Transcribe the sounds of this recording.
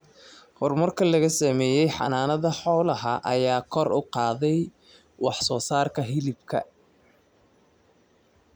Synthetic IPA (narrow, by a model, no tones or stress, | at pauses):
hɔrmɐrkʰɐlɐɣɐsɐmɛːjɛjħɑ̰naːnɐðɐħɔːlɐɦɐ̰ʔɐjaːkʰɔrʔʊqɑːðɛj | wɑħsɔːsaːrkʰɐɦɪlɪb̚kʰɐ̰